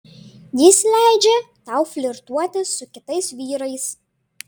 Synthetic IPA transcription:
jislʲæˑɪd͡ʒʲɛt̪ɑˑʊfʲlʲɪɾt̪uɔt̪ʲɪsʊkʲɪt̪ɐɪsʋʲiːɾɐɪs

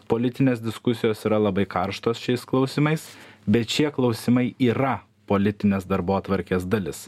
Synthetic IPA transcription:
poːlʲɪt̪ʲɪnʲeːsd̪ʲɪskʊsʲɪjoːsiːɾɐlˠɐbɐɪkɐɾʃt̪oːsʃʲɛɪsklˠɐʊsʲɪmɐɪsbʲɛt̪ʃʲiɛklˠɐʊsʲɪmɐɪʔiːɾɐ | poːlʲɪt̪ʲɪnʲeːsd̪ɐɾboːt̪ʋɐɾʲkʲeːsd̪ɐlʲɪs

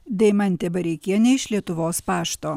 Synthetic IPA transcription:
d̪ʲɛɪmɐnʲt̪ʲɛbɐɾʲɛɪkʲeːjɛnʲɛɪʃlʲiɛt̪ʊʋoːspɑːʃt̪oː

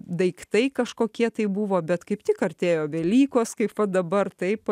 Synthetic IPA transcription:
d̪ɐɪkt̪ɐɪkɐʃkoːkʲiɛt̪ɐɪbuʋoːbʲɛt̪kɐɪpt̪ʲɪkɐɾʲt̪ʲeːjoːʋʲɛlʲiːkoːskɐɪpʋɐd̪ɐbɐrt̪ɐɪp

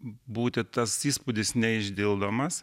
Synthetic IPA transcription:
buːt̪ʲɪt̪ɐsiːspʊd̪ʲɪsnʲɛɪʒʲd̪ʲɪlˠd̪oːmɐs

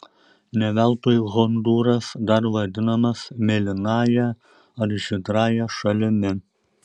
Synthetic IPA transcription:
nʲɛʋʲælˠt̪oːjɣɔnd̪uːɾɐsd̪ɐɾʋɐd̪ʲɪnɐmɐsmʲɛlʲɪnɑːjɛ | ɐɾʒʲɪd̪ɾɑːjɛʃɐlʲɪmʲɪ

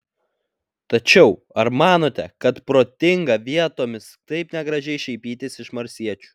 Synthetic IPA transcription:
t̪ɐt͡ʃʲɛʊ | ɐɾmɑːnoːt̪ʲɛkɐt̪pɾoːt̪ʲɪŋɡɐʋʲiɛt̪oːmʲɪst̪ɐɪpnʲɛɡɾɐʒʲɛɪʃʲɛɪpʲiːt̪ʲɪsɪʃmɐɾʲsʲiɛt͡ʃʲu̥

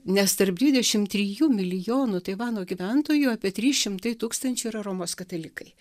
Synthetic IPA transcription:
nʲɛst̪ɐɾp̚d̪ʲʋʲɪd̪ʲɛʃʲɪmt̪ʲɾʲijuːmʲɪlʲɪjoːnʊt̪ɐɪʋɑːnoːɡʲiʋʲɛnt̪oːjuɑːpʲiɛt̪ʲɾʲiːʃʲɪmt̪ɐɪt̪uːkst̪ɐnʲt͡ʃʲʊiɾɐɾoːmoːskɐt̪ɐlʲɪkɐɪ

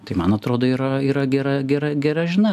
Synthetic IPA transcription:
t̪ɐɪmɐnɐt̪ɾoːd̪oːiːɾɐiːɾɐɡʲɛɾɐɡʲɛɾɐɡʲɛɾɐʒʲɪnɐ

